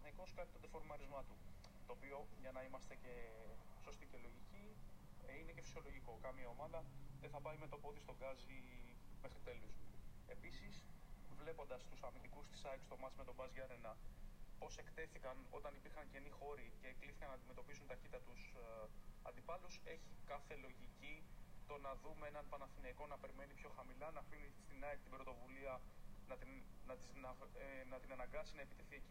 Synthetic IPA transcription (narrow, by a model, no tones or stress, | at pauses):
nɐkoskɐt̪it̪od̪efo̞ɾmɐɾizmɐt̪u | t̪o̞ːpio̞ʝɐnɐimɐst̪e̞ce̞so̞st̪icelo̞ʝici | ine̞cefi̥sio̞lo̞ʝiko̞kɐmiɐo̞mɐðɐðeθɐpɐime̞t̪opot̪ist̪o̞ɡɐzime̞xɾit̪e̞lose̞pisisvle̞po̞nd̪ɐst̪usɐmind̪ikust̪i̥sɐekst̪omɐt̪sme̞t̪o̞bɐzʝɐɾenɐpo̞se̞kt̪e̞θikɐno̞t̪ɐnipiɾxɐɲce̞nixo̞ɾice̞ːkliθikɐnɐnd̪ime̞t̪o̞pisunt̪ɐçit̪ɐt̪us | ɐ̰nd̪ipɐluse̞çikɐθe̞lo̞ʝicit̪o̞nɐðume̞nɐnpɐnɐθineiko̞nɐpe̞ɾime̞nipço̞xɐmilɐnɐfinist̪inɐekt̪ibɾo̞t̪o̞vuliɐnɐt̪nɐt̪isnɐnɐt̪inɐnɐŋɡɐsinɐepit̪efθieci